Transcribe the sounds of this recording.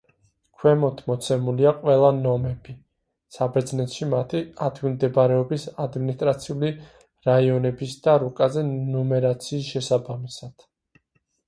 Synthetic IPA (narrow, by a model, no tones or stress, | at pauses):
kʰwɛmɔt̪ʰmɔt̪sʰɛmuliaqʼwɛlˠanɔmɛbi | sabɛɾd̪znɛt̪ʃimat̪ʰiad̪ʰwimd̪ɛbaɾɛɔbisad̪minist̪ʼɾat̪sʰiuli | ɾaiɔnɛbisd̪̥aɾukʼazɛnɔmɛɾat̪sʰiːsʃɛsabamisad̪̥